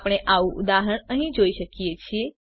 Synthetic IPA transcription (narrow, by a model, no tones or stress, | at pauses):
pɽ̃eʔaʋũʔud̪aɦəɳ̃əɦĩd͡ʒoiʃəkjet͡ʃʰie